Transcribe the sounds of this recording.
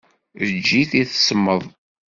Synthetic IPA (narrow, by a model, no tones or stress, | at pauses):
ðəd͡ʒːiθiθəsəmːəðˤ